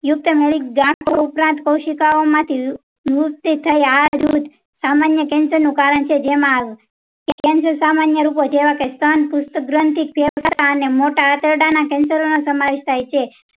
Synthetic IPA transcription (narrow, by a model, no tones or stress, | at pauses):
jʊk̚t̪əmeɭikɡãkoupɾãnt̪kəwʃikaomãt̪ʰi | uk̚t̪it̪ʰəjaɾut̪ | samanjəkɛ̃nsəɾnũkaɾəɳt͡ʃʰed͡ʒemãaʋũ | kekɛnsəɾsamanjəɾupod͡ʒeʋakest̪ʰənpʊst̪əɡɾənt̪ik̚pʰeʋkəɾt̪aənemoʈaət̪əɾɖanakɛ̃nsəɾonosəmaʋiʃt̪ʰajt͡ʃʰe